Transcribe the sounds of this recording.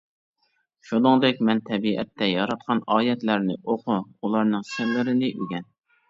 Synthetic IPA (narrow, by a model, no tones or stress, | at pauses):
ʃud̪oŋd̪ɪkʲmɛnt̪ʰɛbiʔɛ̰t̪ʰːɛjɑɾɑt̪̚qʰɑnɑːjɛt̪læɾnɪʔoqʰʊulˠɑɾnɨŋsɪllːɪɾɪnɪʔyɡʲɛn